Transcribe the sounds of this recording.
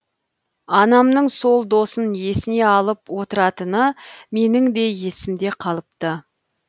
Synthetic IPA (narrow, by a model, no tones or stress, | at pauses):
ɑnɑmnəɴso̞lˠd̪o̞sənje̞sɪne̞ɑlˠəpwo̞t̪əɾɑt̪ənəme̞nɪŋd̪e̞je̞sɪmd̪e̞qʰɑlˠəp̚t̪ə